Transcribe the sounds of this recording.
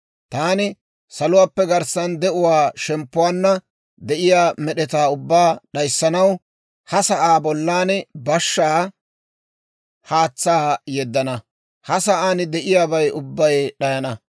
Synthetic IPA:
t̪aːnɪ | sɐlʊwaːpːɛɡɐɾsɐnd̪ɛʔʊwaːʃɛmpːʊwaːnːɐ | d̪ɛʔɪjaːmɛɗɛt̪aːʊbːaːɗɐjsːɐnɐw | hɐsɐʔaːbɔlːaːnbɐʃːaː | haːt͡sːaːjɛd̪ːɐnɐ | hɐsɐʔaːnɪd̪ɛʔɪjaːbɐjʊbːɐjɗɐjɐnɐ

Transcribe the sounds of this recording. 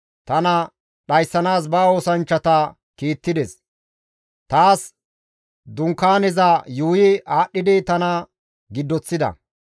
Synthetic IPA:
t̪ɐnɐ | ɗɐjsːɐnaːs̬bɐːo̞ːsɐnt͡ʃːɐt̪ɐ | kiːt̪ːɪd̪ɛs | t̪aːs | d̪ʊŋkːaːnɛzajuːjɪaːɗːɪd̪ɪt̪ɐnɐ | ɡɪd̪ːɔt͡sːɪd̪ɐ̰

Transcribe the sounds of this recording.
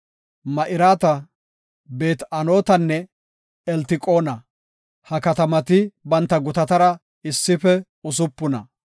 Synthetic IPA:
mɐʔɪɾaːt̪ɐ | be̞ːt̪ɐno̞ːt̪ɐnːɛ | ɛlt̪ɪkʼo̞ːnɐ | hɐkɐt̪ɐmɐt̪ɪbɐnt̪ːɐɡʊt̪ɐt̪ɐɾɐ | ɪsːɪfɛ | ʊs̬ʊpːʊnɐ̰

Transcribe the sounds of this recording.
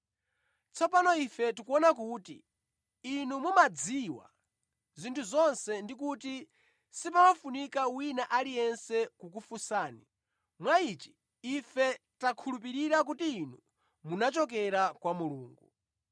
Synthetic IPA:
t͡sʰɔpanɔifɛtikuɔnakuːtḭ | inumumad͡ziwa̰ | zintʰuzɔnsɛndikuti | sipawafunikawinaʔalijɛnsɛkukufusaːni | mwait͡ʃi̥ː | fɛtakʰulup̬iɾiɾak̬utiːnu | munat͡ʃɔk̬ɛɾakwamuluːŋɡu

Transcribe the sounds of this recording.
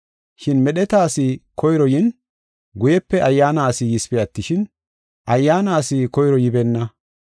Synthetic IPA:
ʃɪnmɛɗɛt̪aːsɪkɔjɾɔjɪn | ɡʊjɛpːɛʔɐjːaːnaːsɪjɪspɛjɐt̪ːɪʃɪn | ʔɐjːaːnaːsɪkɔjɾɔjɪbɛnːɐ

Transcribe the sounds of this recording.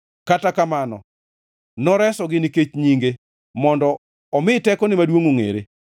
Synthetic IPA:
katakamanɔ̰ | nɔɾɛsɔɡɪniket͡ʃɲiŋɡe | mɔndɔ | ɔmɪtɛkɔnɪmadwoŋoŋḛɾḛ

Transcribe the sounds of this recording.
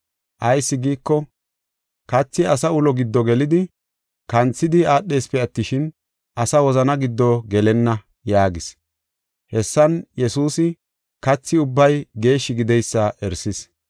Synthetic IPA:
ʔɐjsːɪɡiːkːɔ | kɐt͡sːɪɐsɐʊlɔɡɪd̪ːɔɡɛlɪd̪ɪ | kɐnt͡sːɪd̪ɪaːɗːe̞ːspɛɐt̪ːɪʃɪn | ʔɐsɐwɔzɐnɐɡɪd̪ːɔɡɛlɛnːɐ | jaːɡɪs | hɛsːɐnjɛsuːsɪ | kɐt͡sːɪʊbːɐjɡe̞ːʃːɪɡɪd̪ɛjsːɐʔɛɾsɪs

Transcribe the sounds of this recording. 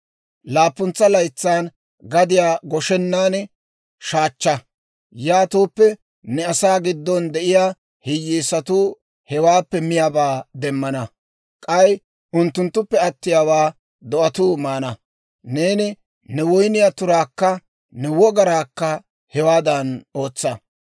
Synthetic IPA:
laːpːʊnt͡sːɐlɐjt͡sːaːn | ɡɐd̪ɪjaːɡɔʃɛnːaːn | ʃaːt͡ʃːɐ | jaːt̪uːpːɛ | nɛɐsaːɡɪd̪ːɔnd̪ɛʔɪjaː | hɪjːiːsɐt̪uː | hɛwaːpːɛmɪjaːbaːd̪ɛmːɐnɐ | kʼɐj | ʔʊnt̪ːʊnt̪ːʊpːɛɐt̪ːɪjaːwaː | d̪ɔʔɐt̪uːmaːnɐ | neːnɪ | nɛwɔjnɪjat̪ʊɾaːkːɐ | nɛwɔɡɐɾaːkːɐ | hɛwaːd̪ɐno̞ːt͡sːɐ

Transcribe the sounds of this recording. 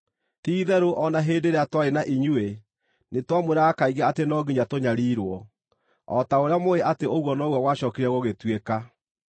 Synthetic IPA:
tiːðɛɾoʔɔnaɦeːdeɾeatwaɾenaʔiɲue | netwamweɾaakaiɣaatenɔɡiɲatoɲaɾiːɾwɔ | ɔ̰taoɾeamoeʔateoɣwɔnɔɣwawaɕɔkiɾɛɣoɣetweka

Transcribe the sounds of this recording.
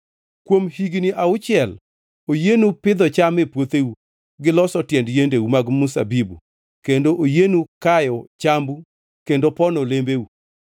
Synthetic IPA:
kwomhiɡniʔaʊt͡ʃɪjɛl | ojenupɪd̪ɔt͡ʃamɪpwot̪eu | ɡɪlɔsɔtjɛndjendewumaɡmʊsa̰bibṵ | kendoʔojenukajɔt͡ʃambu | kendopɔnɔlembeu

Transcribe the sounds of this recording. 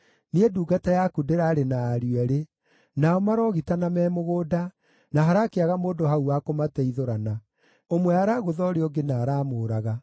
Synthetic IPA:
nieduːɡatajakudeɾaːɾenaːɾiɛɾe | naɔmaɾɔɣitanamɛːmoɣoːda | naɦaɾakeaɣamoːdoɦauwakomatɛiðoɾana | omwɛaɾaɣoðɔɾeɔɡenaːɾamoːɾaɣa

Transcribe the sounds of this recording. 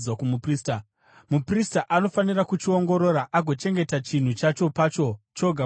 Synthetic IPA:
wakumuprista | mupristaʔano̞fanirakut͡ʃio̞ŋɡo̞ɾo̞ɾaʔaɡʱo̞t͡ʃe̞ŋɡe̞tat͡ʃin̤ut͡ʃat͡ʃo̞pat͡ʃo̞t͡ʃo̞ɡʱa

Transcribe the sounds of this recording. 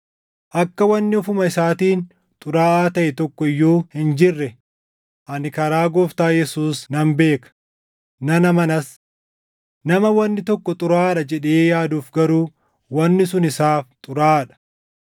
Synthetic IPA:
ʔɐkːɐwɐnːɪɔfʊmɐɪsaːt̪iːn | t̪ʼʊɾaːʔaːt̪ɐʔɛt̪ɔkːɔɪjːoːhɪnd͡ʒɪrːɛ | ʔɐnɪkɐɾaːɡɔft̪aːjɛsuːsnɐmbe̞ːkɐ̥ | nɐnɐmɐnɐs | nɐmɐwɐnːɪt̪ɔkːɔt̪ʼʊɾaːᶑɐd͡ʒɛᶑeːjaːd̪uːfɡɐɾuː | wɐnːɪsʊnɪsaːft̪ʼʊɾaːᶑɐ̥

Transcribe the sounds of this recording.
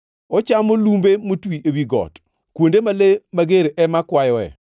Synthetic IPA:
ɔt͡ʃamolumbemotwiʔewiɡɔ̰t | kwondemalemaɡeɾeʔɛmakwajɔɛ̰

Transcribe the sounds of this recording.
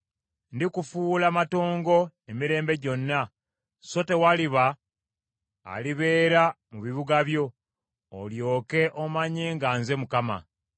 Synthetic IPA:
ndikufuːlamato̞ːŋɡo̞ | emiɾe̞ːmbe̞ɟo̞nːa | so̞te̞waliβa | liβe̞ːɾa | muβiβuɡaβjo̞̰ː | ljo̞ːke̞ʔomaɲeːŋɡanze̞mukama̰

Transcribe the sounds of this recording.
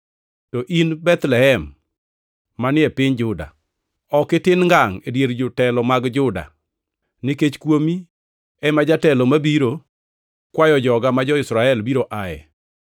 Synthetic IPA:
tɔʔinbɛt̪lɛɦɛm | anɪɛpɪɲd͡ʒʊda̰ | ɔkɪtɪnŋɡaŋedjeɾd͡ʒʊtɛlɔmaɡd͡ʒʊda̰ | niket͡ʃkwomi | ɛmad͡ʒatɛlɔmabiɾo | kwajɔd͡ʒɔɡamad͡ʒɔɪsɾaɛlbiɾoʔaɛ̰

